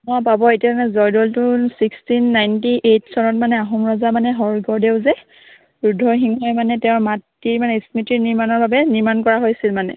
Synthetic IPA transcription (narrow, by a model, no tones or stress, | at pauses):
mɔjpabɔetiamanɛzɔjdɔltʊsikstinːajntiʔetsɔnɔt̚manɛaɦɔmɹɔzamanɛɦɔɹɡɔɹdeʊzɛ | bɹudʱːɔxiŋɔjmanɛtɛʊ̃mat | iɹmanɛismitiniɹmanɔɹbabɛniɹmankɔɹaɦojsilmanɛ̰